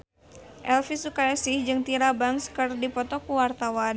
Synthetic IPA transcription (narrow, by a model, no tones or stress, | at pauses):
ʔɛlfisukaasɪhd͡ʒɨŋt̪iɾabaŋskɨrdipɔt̪ɔkuwart̪awan